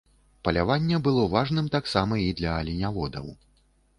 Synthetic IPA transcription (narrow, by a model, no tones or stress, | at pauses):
pɐlʲavanʲːɛbɨlˠɔvaʐnɨmt̪aksamɐid̪lʲɐːlʲinʲavɔd̪ɐ̰w